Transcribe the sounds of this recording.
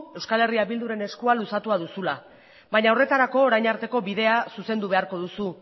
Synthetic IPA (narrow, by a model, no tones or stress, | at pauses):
e̞wskale̞riaβild̪uɾe̞ne̞skualusat̪uaðusula | βaɲaore̞t̪aɾako̞ːɾajɲaɾt̪e̞ko̞βiðe̞asuse̞nd̪uβ̞e̞aɾko̞ðusu